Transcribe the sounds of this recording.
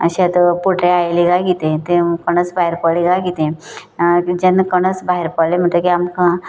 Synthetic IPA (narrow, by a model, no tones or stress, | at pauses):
ə̰ɕet̪əpoʈeajliɡaɡit̪ẽt̪ẽkəɽ̃ət͡sbaɦiɾpəɭiɡaɡit̪ẽ | d͡ʑenːəkəɽ̃ət͡sbaɦeɾpəɽlem̤əɳʈ̪ləkiamka